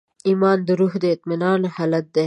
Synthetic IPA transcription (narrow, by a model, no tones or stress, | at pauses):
imɑnd̪əɾuɦd̪əɪt̪mɪnɑnhɑlat̪̚d̪e